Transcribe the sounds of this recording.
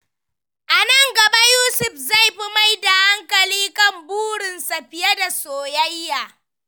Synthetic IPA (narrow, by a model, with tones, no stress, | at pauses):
ʔa˨nɐ˦˨ŋɡɐ˨ba˦juː˦sʊ˨ɸza˦˨jɸi˦ma˦jda˨ha˦ŋkɐ˨liː˦kɐ˦˨mbuː˦ɽɪ˨nsa˨ɸɪ˨ja˦da˨soː˨jɐ˦jːaː˨